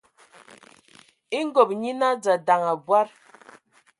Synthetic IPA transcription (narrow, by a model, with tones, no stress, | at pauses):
i˦ŋ˦ɡo˨p̚ɲi˦na˦d͡za˨da˨ŋa˨bwa˦ɾ